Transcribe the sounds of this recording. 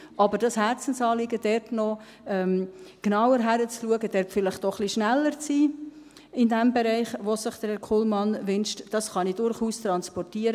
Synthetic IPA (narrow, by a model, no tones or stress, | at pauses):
ʔɑbəɾd̥ɑshæɾt͡sən̩sɑːlɪɡəd̥ɛɾtnɔ | ɛmknɑwəɾɦæɾət͡sluəɡəd̥ɛɾtfɪlɪχtdɔχliʃnælːəɾt͡siː | ɪndɛmbeɾɛɪχʋosəχd̥əɛkʰulmɑnvɪnʃtd̥ɑsχɑnidʊɾχuːst̪ɾɑnspɔrtiəɾə